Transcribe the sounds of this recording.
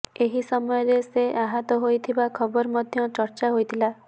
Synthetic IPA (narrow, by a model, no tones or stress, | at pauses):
eɦisɔmɔjɔɾeseʔaɦɔt̪ɔɦojt̪ʰibakʰɔbɔɾɔmɔd̪ʱjɔt͡ʃɔɾt͡ʃaɦojt̪ʰila